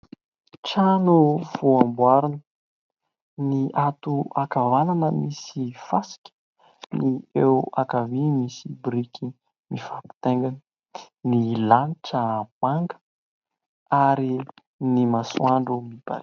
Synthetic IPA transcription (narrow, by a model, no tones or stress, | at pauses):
ʈ͡ʂanuvuambwaɾinə | niʔat̪uakavananəmisifasi̥kʲə̥ | niewakavimisibɾikʲʰi | mifapi̥t̪eŋɡanə | nilaniʈ͡ʂəm̥aŋɡə̥ | aɾi | nimaswaɳɖ͡ʐumiba̰